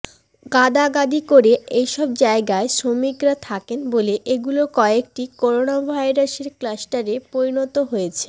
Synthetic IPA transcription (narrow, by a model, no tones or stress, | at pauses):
ɡad̪aɡad̪ikoɾeejʃɔb̚d͡ʑaeɡaeʃomikɾat̪ʰakenboleʔeɡulokɔek̚ʈikoɾonabʱajɾaseɾklasʈaɾepoɾinot̪oɦojet͡ɕʰe